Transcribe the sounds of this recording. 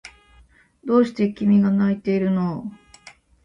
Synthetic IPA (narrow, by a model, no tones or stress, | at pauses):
d̪o̞ːɕi̥t̪e̞kʲimʲiɡanait̪e̞iɾɯ̟no̞